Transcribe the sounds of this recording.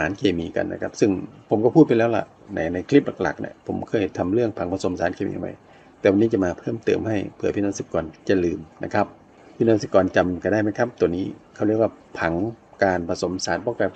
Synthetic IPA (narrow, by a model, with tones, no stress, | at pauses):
aː˨˦nkʰeː˧miː˧ka̰˨nːa̰˧kʰa˦˧˥p̚sɯ˧˩ŋpʰo˨˩˦mkɔː˧˩pʰuː˥˩t̪̚pa˨lɛː˦˥˩wla̰˧˩ʔ | na̰ː˧˩na˧jkʰli˦˥p̚la˨˧˩k̚la̰˨˩k̚na̰˧˦pʰo˨˦mkʰɤː˧˩jht̪ʰa˧mlɯ˥˩əŋpʰa˨˦ŋpʰa˧so˨˦msaː˨˦nkʰeː˧mḭ˧˨˧ma̰˧˩j | t̪ɛː˨˧˩wa˧nːiː˦˥˧t͡ɕa˧˨maː˧pʰɤː˥˩mt̪ɤː˨˩mha˧˥˩jpʰɯ˧˩ɐpʰiː˧nɔː˧˨si˧p̚kɔː˨nt͡ɕa˧˩lɯː˨˩mna̰˧˩kʰa˦˥p̚ | pʰiː˧nɔː˧˥˨nsɯ˧pkɔː˨nt͡ɕa˨˩mka˧˩da˧˩˨jma˧˥jkʰa˧˥p̚t̪ə˨niː˦˥˩kʰa˧˩wli˧˩əkwaː˧˩pʰa˨˩˦ŋkaː˨˧npʰa˧so˨˩˦msaː˨˦npɔː˧˩˨ka˧